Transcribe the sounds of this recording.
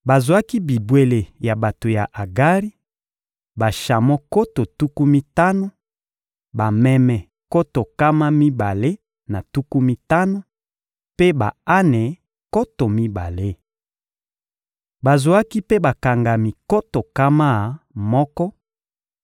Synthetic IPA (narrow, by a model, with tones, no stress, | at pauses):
ba˨zo˨a˦ki˦bi˨bwe˨le˨ja˨ba˨to˨ja˨ʔa˨ɡa˦ʁi˦ | ba˨ʃa˨mɔ˦ko˦to˨tu˦ku˦mi˦ta˦no˨ | ba˨mɛ˨mɛ˨ | ko˦to˨ka˦ma˦mi˦ba˨le˦ | na˨tu˦ku˦mi˦ta˦no˨ | pe˦ba̰˨a˦nɛ˨ | ko˦to˨mi˦ba˨le˦ | ba˨zwa˦ki˦pe˦ba˨ka˨ŋɡa˨mi˨ko˦to˨ka˦ma˦˨mɔ˦kɔ˦